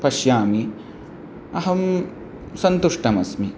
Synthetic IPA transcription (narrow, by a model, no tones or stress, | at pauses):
pɐʃjaːmi | ɐɦɐm | sɐnt̪uʂʈɐmɐsmi